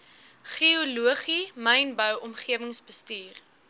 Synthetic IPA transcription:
χioluəχimɛjnbəwɔmχiəvəŋsbəstiːr

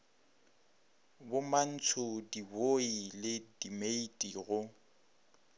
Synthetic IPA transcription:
bʊman̩t͡sʰʊdiboilɪdimeitʼiɣʊ

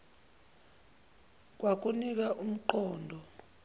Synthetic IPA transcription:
k̬ʼwak̬ʼunik̬aʔum̩ǃɔːndʱɔ

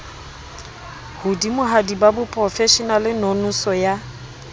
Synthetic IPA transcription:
hʊdimʊɦadibabʊpʼrɔfɛʃɔnalɪnɔnʊsɔja

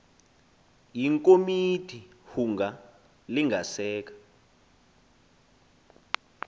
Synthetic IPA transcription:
jiŋkʼomitʰi | huŋɡa | liŋʱasɛːk̬ḁ

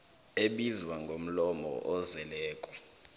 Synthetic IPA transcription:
eɓizwaŋɡʱom̩lɔmɔ̰ʔɔzɛlɛːkʼɔ̥

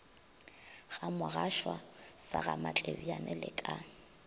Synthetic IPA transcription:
ɣamʊɣaʃwasaɣamat͡ɬʼebianɛlɪkʼa

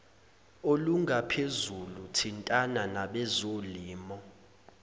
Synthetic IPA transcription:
oluŋɡapʰezulutʰintʼananaɓɛzoliːmɔ

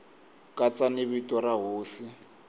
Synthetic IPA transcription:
kʼat͡sʼanɪβitʼɔɾaɦoːsɪ

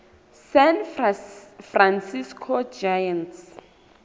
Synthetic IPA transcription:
sɛn | fransiskʰɔd͡ʒajant

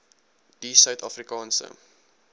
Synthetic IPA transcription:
d̥isœɥtʰɑfrikɑːnsə̰

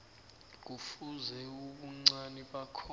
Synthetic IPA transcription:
k̬ufuzɛuɓuŋ͡ǀaniɓakʰɔ

